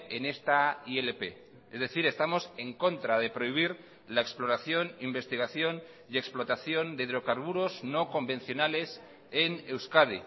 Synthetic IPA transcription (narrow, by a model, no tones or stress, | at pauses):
ene̞st̪aielepe̞̰ | ezðe̞θiɾe̞st̪amo̞se̞ŋko̞nt̪ɾað̞e̞pɾoiβ̞iɾ | laeksplo̞ɾaθjo̞nimbe̞st̪iɣaθjo̞n | ie̞ksplo̞t̪aθjo̞nd̪eðɾo̞kaɾβuɾo̞zno̞ko̞mbe̞nθjo̞nale̞s | ene̞wskaði